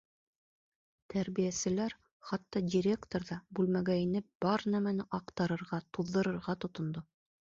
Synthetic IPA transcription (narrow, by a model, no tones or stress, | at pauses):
t̪ʰæɾβijæsɘ̆læɾ | χɑt̪ːɑdʲiɾʲe̞kt̪oɾðɑbʉlmæɡæinɘp̚b̥ɑɾnæmænɘʔɑqt̪ɑɾɤ̆ɾʁɑt̪uðːɤ̆ɾɤ̆ɾʁɑt̪ŏt̪ŏnd̪o